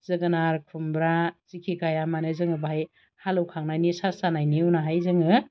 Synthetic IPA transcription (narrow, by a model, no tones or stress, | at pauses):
z̥ɯɡɯnaɾkʰumbɾazikʰikajamanɯzɯŋɯbaj | halɯwkʰaŋnanisasanajniuwnaɦajzɯŋɯ